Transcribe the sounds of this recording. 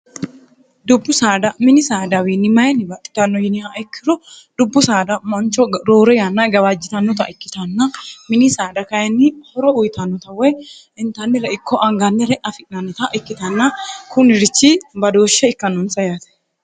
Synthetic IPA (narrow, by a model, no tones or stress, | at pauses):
d̪ʊbːʊsaːd̪ɐmɪnɪsaːd̪ɐwinːɪmɐjɐnːɪbɐt̪ʼːɪ̥t̪ɐnːɔjɪnɪaʔɪkʰːɪɾɔ | d̪ʊbːʊsaːd̪ɐmɐnt͡ʃːɔɾoːɾɛjanːɐɡɐwad͡ʒːɪt̪ɐnːɔt̪ɐ̰ʔɪkːɪt̪ɐnːɐmɪnɪsaːd̪ɐkɐjɐnːɪhɔɾɔʊjt̪ɐnːɔt̪ɐwɛj | ɪnt̪ɐnːɪɾɛɪkʰːɔʔɐŋɡɐnːɛɾɛʔɐfɪʔnɐnːɔt̪ɐʔɪkːɪt̪ɐnːɐkʰʊnɪɾɪt͡ʃːibɐd̪oːʃːɛɪkːɐnːɔnsɐjat̪ɛ̥